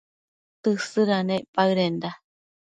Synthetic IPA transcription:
t̪ɨsɨɾanẽʔpaɯɾend̪a

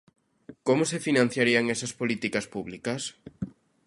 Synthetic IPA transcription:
komʊsefinãn̟θjaɾiɐŋɛsɐspolit̪ikɐspuβlikɐs

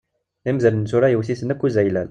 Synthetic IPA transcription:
imzælnsuɾæjəwsisənəkːuzæjlæl

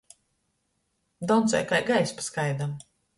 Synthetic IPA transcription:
d̪ɔwnt̪sɛ̰jkajɡajspḁskajd̪am

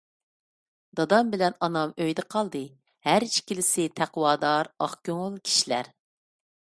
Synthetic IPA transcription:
d̪̥ɑd̪ɑmbɪlɛnɑnɑmøjd̪ɛqʰɑlˠd̪ɨ | hæɾiʃkʲilɪsɪt̪ʰæqwɑːd̪ɑɾɑχkʲøŋʊlˠkʲʰi̥ʃilæ̰ɾ

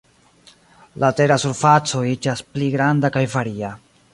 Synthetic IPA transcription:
lʔate̞ɾasuɾfat͡so̞id͡ʒaspliɡɾandakajvaɾia

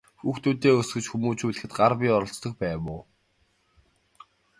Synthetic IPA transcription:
xuːxt̪uːt̪eːɵsɡɵ̆t͡ɕxumuːt͡ɕuːɮɘ̆xɘ̆t̪ɢarpʲiɔɾɞ̆ɬt͡st̪ɞ̆xpæːmʊː

